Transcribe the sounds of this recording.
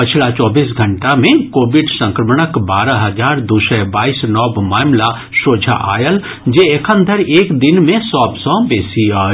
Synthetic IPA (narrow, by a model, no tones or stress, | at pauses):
pət͡ʃʰlat͡ʃɔːbiːs̬ɡʱɐɳʈamẽkoːbɪɖsə̃ŋkɾəmɽ̃əkbaːɾaɦɐd͡ʒaːɾd̪usəbaːisnɔːbmaːmla | ʃoːd͡ʒʱa̰ʔa̰ːjəl | d͡ʒeekʰənd̪ʱəɾeːkd̪ɪnmẽsɔːbsɔ̃beːsia